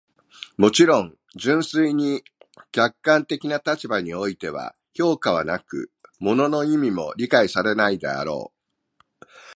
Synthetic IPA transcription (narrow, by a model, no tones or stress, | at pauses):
mo̞t͡ɕiɾõ̞ŋ | d͡ʑɨ̃ɰ̃sɨiɲ̟ikʲakːãnt̪e̞kʲinat̪at͡ɕibaɲ̟io̞it̪e̞β̞a̰ | ço̞ːkaβanakɯ̟̰mo̞no̞no̞imʲimo̞̰ɾʲikaisaɾe̞naid̪ḛa̰ɾo̞̰ː